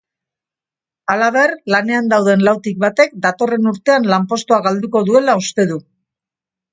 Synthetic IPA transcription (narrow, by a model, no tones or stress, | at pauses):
alaβ̞e̞rlane̞and̪awðe̞nlawt̪ik̚βat̪e̞k̚d̪at̪o̞re̞nuɾt̪e̞anlampo̞st̪oaɣald̪uko̞ðue̞laust̪e̞ðu